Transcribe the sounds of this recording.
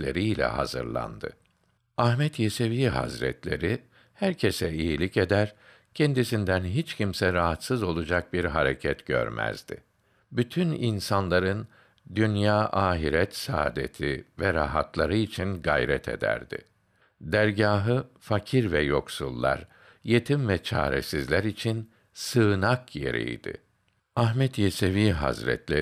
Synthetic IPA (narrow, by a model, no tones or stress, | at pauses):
lʲḛɾiilʲɛ̰ha̰zɯ̰ɾlˠa̰nd̪ɯ̰ | ahmɛt̪jeseviɦa̰zɾɛ̰t̪lʲe̞̰ɾi | hæɾcʰesɛijilʲice̞d̪æɾ | cʰend̪isind̪ænɦit͡ʃcʰimsɛɾaɦat̪sɯzo̞lˠud͡ʒak̚biɾɦaɾecʰɛt̪ɟ̥ø̰ɾmæ̰zd̪̥ɪ̰ | byt̪ʰyninsanlˠaɾɯn | d̪ynjaːʔaːɦiɾɛt̪sa̰ːd̪e̞̰t̪ʰivɛɾa̰ɦat̪lˠaɾɯit͡ʃʰinɡa̰jɾɛt̪ʰe̞̰d̪æ̰ɾd̪ɪ̰ | d̪æɾɟaːɦɯfacʰiɾvɛjo̞ksulˠːa̰ɾ | je̞t̪ʰimvɛt͡ʃʰa̰ːɾḛsizlʲæɾit͡ʃʰin | sɯːnakje̞̰ɾḭjd̪̥ɪ̰ | aɦmɛt̪jeseviːɦa̰zɾɛ̰t̪lʲe